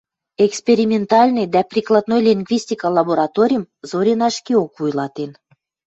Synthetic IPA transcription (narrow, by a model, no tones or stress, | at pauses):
ekspeɾʲimʲent̪ɑlʲnejd̪æprʲiklˠɑd̪nojlʲiŋɡvʲisʲt̪ʲikɑlɑboɾɑt̪oɾʲijəm | zoɾʲenɑʃkiokvujlɑt̪en